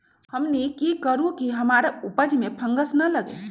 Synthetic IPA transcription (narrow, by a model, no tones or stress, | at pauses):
həmnikikəɾũkiɦəmaɾaupəd͡ʒmepʰə̃ŋɡəsnələɡḛ